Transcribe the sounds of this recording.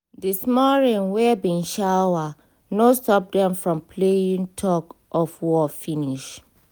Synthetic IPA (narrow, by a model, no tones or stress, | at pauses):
dismɔɹĩnwɛbĩnʃawa | nostɔp̚dɛ̃mfɹɔ̃mpʰlejĩŋtʰɔkɔfwɔfiniʃ